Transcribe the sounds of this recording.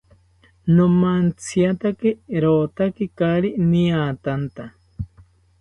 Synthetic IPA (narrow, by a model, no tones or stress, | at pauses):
nomant͡sʰiat̪akeɾoːt̪akikaɾiniat̪ant̪a